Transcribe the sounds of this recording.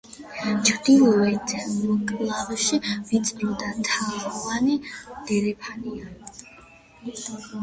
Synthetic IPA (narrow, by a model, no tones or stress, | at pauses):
t͡ʃʰɾd̪ilˠɔɛɛnmɔkʼlˠaɾɔʃivit̪sʼɾɔd̪ant̪ʰaviwanid̪̥ɛɾɛpʰania